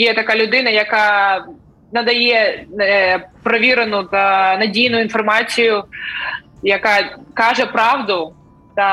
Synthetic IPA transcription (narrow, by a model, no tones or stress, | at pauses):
jɛt̪ɐkalʲʊd̪ɪnɐjɐkɑ | nɐd̪ɐjɛ | pɾɔʋʲiɾenʊt̪ɐnɐdʲijnʊinfɔrmɑt͡sʲijʊ | jɐkɑkɑʒɛpɾɑwd̪ʊ | d̪a